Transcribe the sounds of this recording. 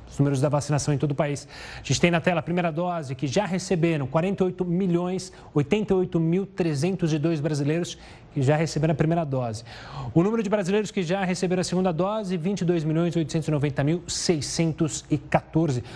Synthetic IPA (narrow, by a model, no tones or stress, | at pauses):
znumeɾʊzd̪ɐvasinasɐ̃w̃ẽt̪od̪ʊpais | aʒẽt͡ʃɪt̪ẽj̃nɐt̪ɛlɐpɾimejɾɐd̪ɔzɪkɪʒaɦesebeɾɐ̃w̃kwaɾẽnt̪eojt̪ʊmiʎõj̃s | ojt̪ẽnt̪eojt̪ʊmiwt̪ɾezẽnt̪ʊzɪd̪ojzbɾazilejɾʊs | kɪʒaɦesebeɾɐ̃ɐpɾimejɾɐd̪ɔzɪʊnũmeɾʊd͡ʒɪbɾazilejɾʊskɪʒaɦesebeɾɐ̃w̃ɐseɡũd̪ɐd̪ɔzɪvĩnt͡ʃɪd̪ojzmilʎõj̃zojt̪ʊsẽnt̪ʊzɪnovẽnt̪ɐmiwsejsẽnt̪ʊzɪkat̪oɾzɪ